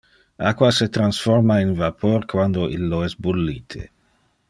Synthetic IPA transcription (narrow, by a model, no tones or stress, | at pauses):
akwaset̪ɾansformainvapʰoɾkwand̪oʔilːoɛsbulːiːt̪ʰḛ